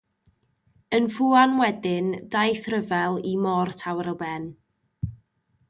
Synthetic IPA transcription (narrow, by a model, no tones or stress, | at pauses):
ənvuanwɛdɪndajθrəvɛlˠimɔrtʰawəɾəlˠbɛn